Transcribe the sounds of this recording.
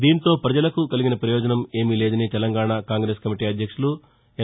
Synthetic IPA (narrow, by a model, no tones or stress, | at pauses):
d̪iːnt̪o̞ːpɾɐd͡ʒɐlɐkukɐliɡinɐpɾɐjɔːd͡ʒɐnɐme̞ːmile̞ːd̪ɐnit̪ɛlɐŋɡaːɳakaːŋɡɾeːskɐmiʈiːɐd̪ʱjɐkʂulu | ɛ